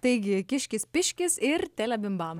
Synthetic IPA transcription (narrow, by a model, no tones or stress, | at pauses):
t̪ɐɪɡʲɪkʲɪʃʲkʲɪspʲɪʃʲkʲɪsɪɾt̪ʲæːlʲɛbʲɪmbɑːmɐ